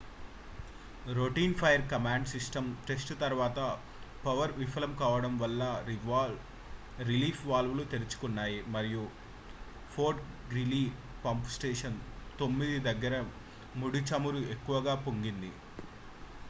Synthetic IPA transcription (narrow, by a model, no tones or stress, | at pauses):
ɾoʈiːnpʰɐjɐɾkɐmaːɳɖsisʈɐmʈe̞sʈt̪ɐɾʋaːt̪ɐ | pɐʋɐɾʋifʰɐlɐmkaːʋɐɽɐmʋɐlːɐ | ɾiliːpʰʋaːlʋulut̪eɾit͡ʃu̥kunːaːjimɐɾiju | pʰoːɾʈ | ɡɾili | pɐmpsʈeːʂɐnt̪o̞mːid̪id̪ɐɡːɐɾɐ | muɽit͡ʃɐmuɾuekːuʋɐɡaːpoŋɡind̪i